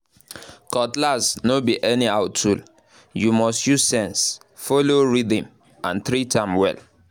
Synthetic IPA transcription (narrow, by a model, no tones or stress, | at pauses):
kɔtlasnobiʔɛniaʊttʰul | jumɔstjuzsɛ̃ns | foloɹidĩm | ã̰nθɾitʰãɪ̃mwɛ̰l